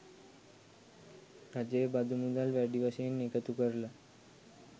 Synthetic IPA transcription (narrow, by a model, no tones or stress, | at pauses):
ɾad͡ʑjəebad̪ʱumud̪alʋaɖiʋaɕeenːekət̪ukəɾla